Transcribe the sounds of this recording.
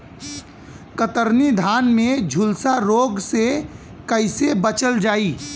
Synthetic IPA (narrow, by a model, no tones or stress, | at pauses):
kət̪əɾnid̪ʱaːnmẽd͡ʒʱʊlsaɾoːɡse | kəɪsebət͡ʃəld͡ʒaːiː